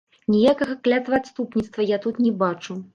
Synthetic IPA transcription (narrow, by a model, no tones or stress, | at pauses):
nʲijakɐɣɐklʲat̪vɐat̪st̪upnʲit̪st̪vɐjat̪ut̪nʲɛbat͡ʂu